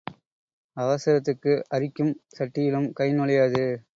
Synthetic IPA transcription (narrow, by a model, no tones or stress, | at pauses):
ɐʋɐsɐɾɐt̪̬ːɯkːɯʔɐɾɪkːɯmsɐʈːɪjɪlɯmkɐɪnɯɭɐjaːðɯ